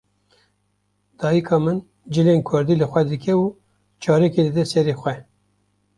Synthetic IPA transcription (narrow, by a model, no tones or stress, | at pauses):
d̪̥ɑːjikʰɑːmɨn | d͡ʒɨleːnkʰʊɾd̪iːlɨxʷɛd̪ɨkʲɛuː | t͡ʃʰɑːɾɛkeːlɨd̪ɛsɛɾeːxʷɛ